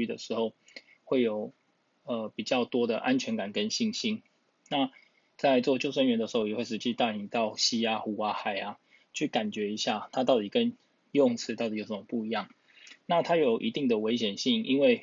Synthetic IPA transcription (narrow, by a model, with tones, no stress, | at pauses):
y˥d̪ə̰˨ʂɻ̩˧˥xo˥˩ʊ | xwe˥˩ɪjo˨˩ʊ | ə˨˩pi˨˩t͡ɕjɑ˥˩ʊt̪wɔ˥d̪ə̰˨ʔa˦nt͡ɕʰɥɛ˧˥nka˨˩nkə˦nɕi˥˩ŋɕi˥n | na˥˨ | t͡sa˥˧ɪt͡swɔ˥˧t͡ɕjo˥˧ʊsə˥nɥɛ˧nd̪ə˨ʂɻ̩˧xo˥˩jɛ˨˩we˥˩ɪʂ̬̩˧t͡ɕi˥t̪a˥˩ni˨˩t̪ɑ˥˩ʊɕi˥ja˥xu˧˥˩a˧˦xa˨˩ɪa˦ | t͡ɕʰy˥˩ka˨˩nt͡ɕɥɛ˨˥i˧˥ɕja˥˨t̪ʰa˦t̪̬ɑ˥˩ʊt̪i˨˩kə˦n | jɔ˥˨ŋt͡sʰɹ̩˥t̪ɑ˥˩t̪i˨˩jo˨˩ʊsə˩mə˨˩pu˥˩i˧˦jɑ˥˩ŋ | na˥˨t̪ʰa˥jo˨˩ʊʔḭ˧˥t̪i˥˩ŋd̪ə˩we˧˥ɪɕjɛ˨˩nɕi˥˩ŋi˦nwe˥˩ɪ